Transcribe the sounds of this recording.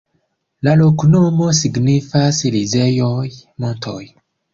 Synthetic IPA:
lalo̞knomo̞siɡnifaslizejojmontʰoj

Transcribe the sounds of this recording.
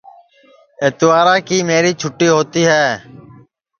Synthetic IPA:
eːt̪ʋaːɾaːkiːmeːɾiːt͡ʃʰʊʈːiːɦoːt̪iːɦɛː

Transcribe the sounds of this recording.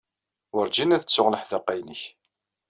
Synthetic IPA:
ʊɾd͡ʒinæðət͡sːʊʁləħðəqːæjnəç

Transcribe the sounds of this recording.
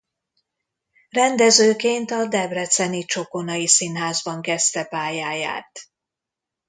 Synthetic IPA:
rɛnd̪ɛzøːkeːnt̪ɒd̪ɛbrɛt̪sɛnit͡ʃo̞ko̞nɒjisinɦaːzbɒŋkɛst̪ɛpaːjaːja̰ːt̪

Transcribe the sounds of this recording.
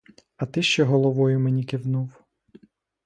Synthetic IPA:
ɐt̪ɪʃt͡ʃɛɦɔlˠɔʋɔjʊmenʲikɪwnuw

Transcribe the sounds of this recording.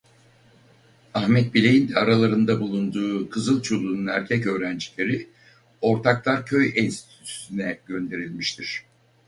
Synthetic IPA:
ahmɛt̪̚bilʲejind̪ɛaɾalˠaɾɯnd̪abulˠund̪uːkʰɯzɯlˠt͡ʃʰo̞lˠuːnunæɾcʰɛcø̞ːɾænd͡ʒilʲe̞ɾi | o̞ɾt̪ʰaklˠaɾcʰø̞jinst̪ʰitt̪ʰysysynɛɟø̞nd̪e̞ɾilʲmiʃt̪ʰiɾ̥

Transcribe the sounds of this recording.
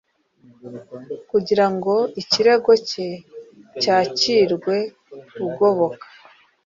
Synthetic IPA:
kuɟiɾaŋɡo̞iciɾe̞ɡo̞ce̞caːciːɾɡwe̞ | uɡo̞βo̞kḁ

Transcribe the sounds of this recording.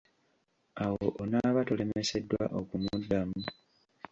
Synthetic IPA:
awoʔonaβato̞le̞mme̞se̞dːwa̰ʔo̞kumudːamu

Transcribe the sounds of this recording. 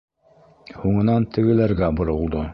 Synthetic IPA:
huɴɤ̆nɑnt̪ɘ̆ɡɘ̆læɾɡæbŏɾŏlˠd̪o

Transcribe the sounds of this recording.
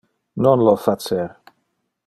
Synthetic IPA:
nɔnlɔfat͡sɛɾ

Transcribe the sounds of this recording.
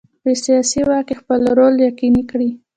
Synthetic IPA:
besijɑsiwɑkexpəlɾoljaqinikɽi

